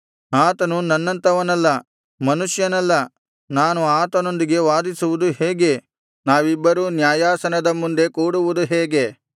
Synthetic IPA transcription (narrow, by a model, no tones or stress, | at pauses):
aːt̪ɐnunɐnːɐnt̪ɐʋɐnɐlːɐ | mɐnuʃjɐnɐlːɐ | naːnuaːt̪ɐno̞nd̪iɡe̞ʋaːd̪isuʋud̪uheːɡe̞ | naːʋibːɐɾuːnjaːjaːsɐnɐd̪ɐmund̪e̞kuːɽuʋud̪uɦeːɡe̞